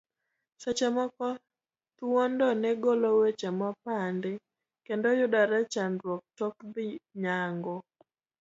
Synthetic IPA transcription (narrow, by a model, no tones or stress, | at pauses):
sat͡ʃɛmɔkɔ | t̪uwɔndɔnɛɡolowet͡ʃɛmɔpandɪ | kendojʊdaɾat͡ʃanɾwɔk̚tɔkd̪ɪɲaŋɡɔ